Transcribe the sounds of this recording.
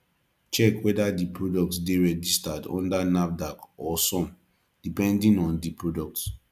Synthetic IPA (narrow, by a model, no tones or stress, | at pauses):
t͡ʃɛkwɛdadipʰɹodɔk̚tsdeɹɛd͡ʒistadɔ̰̃ndanap̚dakɔsɔ̃m | d̥ipɛ̃ndĩnɔ̃ndipɹodɔk̚ts